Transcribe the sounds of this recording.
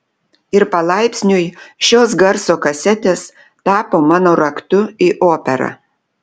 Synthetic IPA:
ɪɾpɐlˠɑɪpʲsʲnʲʊjʃʲoːs̬ɡɐɾsoːkɐsʲɛt̪ʲeːs | t̪ɑːpoːmɑːnoːɾɐkt̪ʊiʔoːpʲɛɾɐ̰

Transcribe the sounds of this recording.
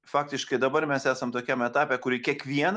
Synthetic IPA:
fɑːk̚t̪ʲɪʃkɐɪd̪ɐbɐrmʲɛsæːsɐmt̪oːkʲɛmɛt̪ɑːpʲɛkʊɾʲikʲiɛkʋʲiɛn

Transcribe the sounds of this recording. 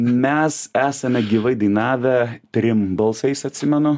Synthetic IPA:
mʲɛsæːsɐmʲɛɡʲiːʋɐɪd̪ɐɪnɑːʋʲɛt̪ʲɾʲɪmbɐlˠsɐɪsɐt̪ʲsʲɪmʲɛnʊ

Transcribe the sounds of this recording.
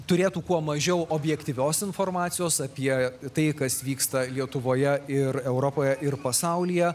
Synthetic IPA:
t̪ʊɾʲeːt̪uːkuɔmɐʒʲɛʊoːbʲjɛkt̪ʲiːʋʲoːsɪnformɑːt̪sʲɪjoːsɐpʲiɛt̪ɐɪkɐsʋʲiːkst̪ɐlʲiɛt̪ʊʋoːjɛɪɾɛʊɾopoːjɛʔɪrpɐsɑʊlʲijɛ

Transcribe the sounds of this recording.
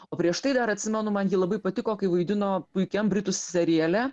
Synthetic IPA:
oːpʲɾʲiɛʃt̪ɐɪd̪ɐɾɐt̪ʲsʲɪmʲɛnʊmɐnjiːlˠɐbɐɪpɐt̪ʲɪkoːkɐɪʋɐɪd̪ʲɪnoːpʊɪkʲɛmbʲɾʲɪt̪ʊsʲsʲɛɾʲiɛlʲɛ

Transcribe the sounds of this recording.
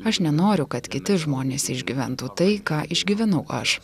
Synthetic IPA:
ɐʃnʲɛnoːɾʲʊkɐt̪kʲɪt̪ʲɪʒmoːnʲeːsɪʒʲɡʲiʋʲɛnt̪uːt̪ɐɪkɑːʔɪʒʲɡʲiʋʲɛnɐʊʔɐ̰ʃ

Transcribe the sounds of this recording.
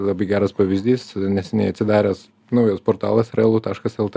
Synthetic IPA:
lˠɐbɐɪɡʲæːɾɐspɐʋʲɪzʲd̪ʲiːsnʲɛsʲɛnʲɛɪɐt̪ʲsʲɪd̪ɑːɾʲɛːs | nɐʊjospoːrt̪ɑ̰ːlˠɐsrʲɛlˠut̪ɑːʃkɐsɛlˠt̪

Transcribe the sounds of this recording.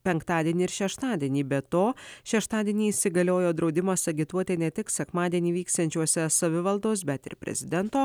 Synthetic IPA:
pʲɛŋkt̪ɑːd̪ʲiɛnʲiːɪɾʃʲɛʃt̪ɑːd̪ʲiɛnʲiːbʲɛt̪oːʃʲɛʃt̪ɑːd̪ʲiɛnʲiːsʲɪɡɐlʲoːjoːd̪ɾɒʊd̪ʲɪmɐsɐɡʲɪt̪uɔt̪ʲɛnʲɛt̪ʲɪksʲɛkmɑːd̪ʲiɛnʲiːʋʲiːkst̪ɐnʲt͡ʃʲuɔsʲɛsɐʋʲɪʋɐlˠd̪oːs̬bʲɛt̪ɪ̰ɾpʲɾʲɛ̰zʲɪd̪ʲɛnt̪oː

